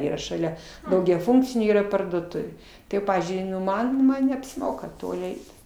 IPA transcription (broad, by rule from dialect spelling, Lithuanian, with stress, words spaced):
ˈiːrɐ ʃɐˈlʲɛ dɐʊɡʲɛˈfʊŋkt͡sʲɪnʲeː ˈiːrɐ pɐrduɔˈtʊʋʲeː tɐɪ ˈpɑːʋʲiːzʲd͡ʒʲʊɪ ˈmɐn ˈmɐn nʲɛɐpʲsʲɪˈmoːkɐ ˈtoːlʲɪ ˈɛɪt